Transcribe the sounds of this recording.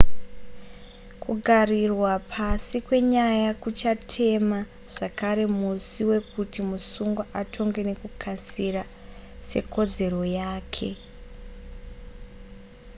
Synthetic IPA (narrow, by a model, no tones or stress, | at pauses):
kʰuɡʱarirwapʰasikwe̞ɲajakut͡ʃatʰe̞ma | ʐ̥akaɾe̞musiwe̞kutimusuŋɡwaʔatʰo̞ŋɡene̞kukʰasira | se̞̰ko̞d͡ze̞ro̞jaːkʰe̞̰